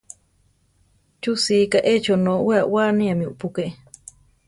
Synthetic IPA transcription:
t͡ʃusiːkaʔet͡ʃonoweawaniamiṵʔpukeʔ

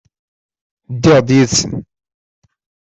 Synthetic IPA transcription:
d̪ːɪʁd̪jiðsə̰n

